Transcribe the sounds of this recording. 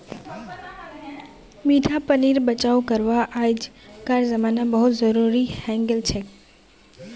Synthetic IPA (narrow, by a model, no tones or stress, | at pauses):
miːʈʰapəniːɾbət͡ʃaukəɾʋaʔajd͡ʒkaɾzəmaːnabəɦʊt̪zəɾuɾihɛ̃ŋɡəlt͡ʃʰe